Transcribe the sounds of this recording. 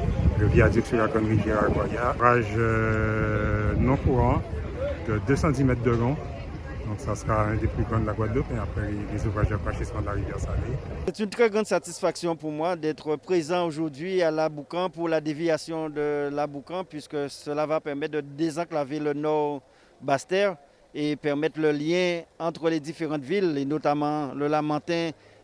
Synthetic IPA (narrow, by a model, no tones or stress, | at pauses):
ləviad̪iksyʁlaɡɔnʁivjɛʁaɡwajavʁaʒ | nɔ̃kuʁɑ̃ | d̪əd̪øsɑ̃t̪imɛt̪χd̪əlɔ̃ | d̪ɔ̃ksasəʁaɛ̃d̪eplyɡʁɑ̃d̪əlaɡwad̪lɔpeapχɛlelezuvʁaʒd̪afʁɑ̃ʃismɑ̃d̪əlaʁivjɛʁsalesɛt̪ynt̪χɛɡʁɑ̃d̪sat̪isfaksjɔ̃puʁmwad̪ɛt̪χəpχezɑ̃oʒuʁd̪ɥialabukɑ̃puʁlad̪evjasjɔ̃d̪əlabukɑ̃pɥiskəsəlavapɛʁmɛt̪̚d̪əd̪ezɑ̃klavelənɔʁ | bast̪ɛʁ | epɛʁmɛt̪ləljɛ̃ɑ̃t̪χəled̪ifeʁɑ̃t̪vilenot̪amɑ̃ləlamɑ̃t̪ɛ̃